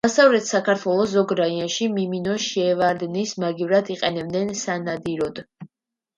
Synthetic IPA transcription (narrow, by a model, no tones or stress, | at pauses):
asavlɛt̪ʰsakʰaɾt̪ʰwɛlˠɔs̬ɔɡɾaiaʃimiminɔʃɛvaɾd̪nismaɡivɾad̪iqʼɛnɛb̚d̪ɛnsanad̪iɾɔd̪̥